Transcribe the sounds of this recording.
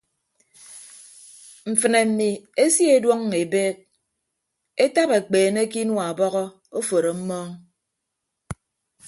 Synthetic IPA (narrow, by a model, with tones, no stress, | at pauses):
m̩˨fɨ˨ne˨m̩˨mi˨e˦sje˦dwɔ˦ŋː˨e˨beː˦k̚ | e˦ta˦pe˨k͡peː˨ne˦ki˦nwa˨bɔ˦ɣɔ˦ | o˦fo˨ɾo˨m̩˦mɔː˦ŋ